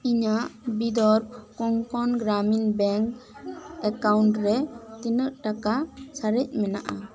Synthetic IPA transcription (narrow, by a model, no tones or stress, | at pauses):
iɲaʔbid̪ɔɾkɔŋkɔnɡɾaminbɛŋk | ɛkawɳʈɾɛt̪inəʔʈakasʰaɾɛc̚ˀmɛna̰ʔa